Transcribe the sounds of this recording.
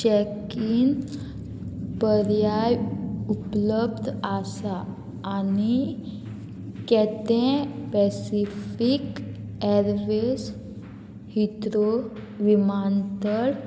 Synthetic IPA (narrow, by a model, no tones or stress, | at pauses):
t͡ɕɛkin | pəɾjajupləbd̪ʱasaː | ni | kɛt̪ɛ̃pɛsifik | ɛɾʋes | hit̪ɾo | ʋimant̪əl